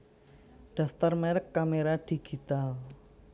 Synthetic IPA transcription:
ɖ̥a̤ft̪armɛɾəkːameɾad̪̥i̤ɡ̥it̪al

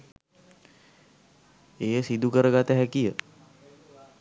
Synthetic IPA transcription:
eːjəsid̪ukəɾəɡat̪əɦɛkijə

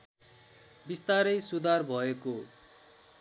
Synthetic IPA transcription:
bist̪aɾʌjsud̪ʱarbʱʌeko

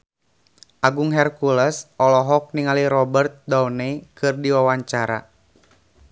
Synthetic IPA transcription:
ʔaɡuŋɦɛrkulɛsʔɔlɔɦɔk̚niŋaliɾɔbərt̪̚dɔwnɛkɨrdiwawaɲt͡ʃaɾa̰

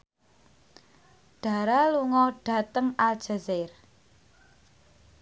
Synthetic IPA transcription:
ɖ̥a̤ɾaluŋɔɖ̥ä̤t̪əŋald̥ʒ̥a̤zɪr

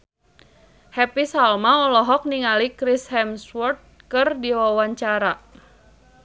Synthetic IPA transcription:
hɛpisalmaɔlɔɦɔk̚niŋalikɾishɛmswɔrt̪̚kɨrdiwawaɲt͡ʃaɾa

